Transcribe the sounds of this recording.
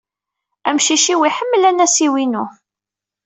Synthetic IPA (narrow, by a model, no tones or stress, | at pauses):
æmʃiʃiwiħəmːəlænæsiwinu